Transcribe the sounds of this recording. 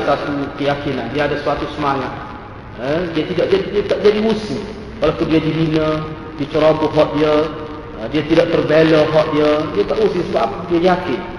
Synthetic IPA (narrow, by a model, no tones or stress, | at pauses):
sat̪ukəjakinandiəadasuat̪usəmaŋat̪̚ | ədiət̪idaʔd͡ʒadiat̪aʔd͡ʒadiusɪ | walapundiədiɦinə | diət͡ʃəɾɔbʊɦɔt̪̚diə | diət̪idaʔt̪ərbelɔɦɔʔ̪̚diədiət̪aʔusisəbapdiajakɪt̪̚